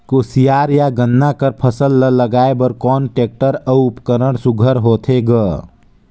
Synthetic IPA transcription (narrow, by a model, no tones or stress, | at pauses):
kosijaːɾjaɡənːakəɾpʰəsəlːələɡaːebəɾkɔːnʈek̚ʈəɾəupkəɾəɽ̃suɡʱəɾɦoːt̪ʰeɡə